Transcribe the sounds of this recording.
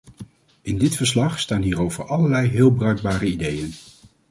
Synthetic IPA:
ɪndɪtfəɹslɑχstaːnɦiːɾowvəɹʔɑləɹlɛjɦɪːlˠbrœɥɡ̚baːɾəidejən

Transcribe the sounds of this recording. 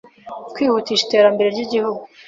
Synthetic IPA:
kwiːhuːtiːʃi̥te̞ːɾambe̞ɾe̞ɾɟiɟihuɡu

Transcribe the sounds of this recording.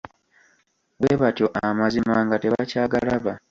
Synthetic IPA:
weβatjoʔamazimaːŋɡate̞βacaːɡalaβa

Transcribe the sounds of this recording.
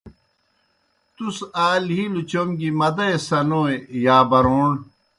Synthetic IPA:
t̪usaːlɦilut͡ɕomɡimɐd̪ɐesɐnoːejaːbɐɾoːɳ

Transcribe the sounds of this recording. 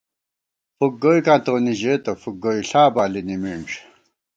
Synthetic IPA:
fuk̚ɡojkãːt̪oːniʑet̪ɐfuk̚ɡoiɬaːbaːlinimiɳʈ͡ʂ

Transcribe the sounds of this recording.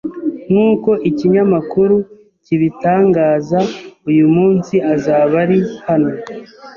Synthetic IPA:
nuːko̞ʔiciɲamakuɾu | ciβitaːŋɡaːzaujumuːnsiʔazaːβaɾihano̞

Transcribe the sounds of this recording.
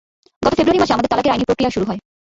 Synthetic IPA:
ɡɔt̪ofebɾuaɾimaʃeamad̪eɾt̪alakeɾajnipɾokɾiaʃuɾuɦɔe

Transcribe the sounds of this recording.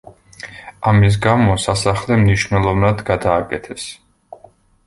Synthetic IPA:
amis̬ɡamɔsasaχlɛmniʃvnɛlˠɔvnad̪ɡad̪aːkʼɛt̪ʰɛs

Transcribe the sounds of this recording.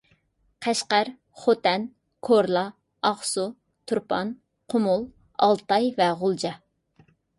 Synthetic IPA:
qʰæʃqæɾ | χot̪ɛn | kʰoɾlˠɑ | ɑχsu | t̪ʰuɾpʰɑn | qʰʊmʊlˠ | ɑ̰lˠt̪ɑjvɛʁʊlˠd͡ʒɑ

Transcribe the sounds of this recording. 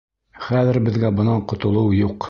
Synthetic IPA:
χæðɘ̆ɾbɘ̆ðɡæbɤ̆nɑqŏt̪ŏlˠɤwjuq

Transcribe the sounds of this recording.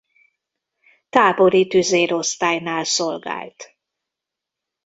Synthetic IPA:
t̪aːbo̞ɾit̪yzeːɾo̞st̪aːjnaːlso̞lɡa̰ːlt̪

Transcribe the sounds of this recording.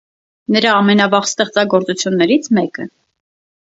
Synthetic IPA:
nəɾɑːmɛnɑvɑʁst̪ɛχt͡sɑɡɔɾt͡sut͡sʰjunːɛɾit͡sʰmɛkə

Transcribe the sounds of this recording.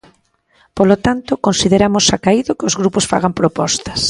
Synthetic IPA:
polot̪ant̪ʊkonsiðeɾamʊsakaiðʊkɪozɣɾuposfa̰ɣ̞ampɾopɔst̪ɐ̥s

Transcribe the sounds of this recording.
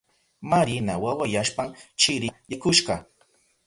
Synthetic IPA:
maɾɪnawawajaʃpaŋt͡ʃɪɾɪjakʊʃɢɑ

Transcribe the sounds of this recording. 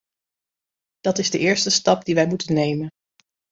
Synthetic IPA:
d̥ɑtɪzdəʔɪːɹstəstɑp̚diʋɛjmutənejmən

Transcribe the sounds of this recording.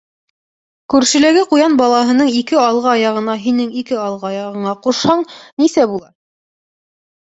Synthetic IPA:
kʉɾʃɘ̆læɡɘqujɑnbɑlˠɑɦɤ̆nɤɴikɘɑlˠʁɑɑjɑʁɤ̆nɑɦinɘŋikɘɑlˠʁɑjɑʁɤ̆ɴɑquʃhɑɴnisæbulˠɑ

